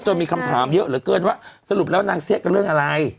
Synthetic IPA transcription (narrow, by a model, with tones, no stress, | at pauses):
t͡ɕa˨˩miː˧kʰa˧mt̪ʰaː˩˦mjɤ˦˥ʔɾɯː˩˦kɤː˧nwaː˥˩sa˧lu˨˩p̚lɛː˦˥˩naː˧ŋsi˦˥ək̚a˧˩ɾɯ˥˩əŋʔa˧ɾa˧j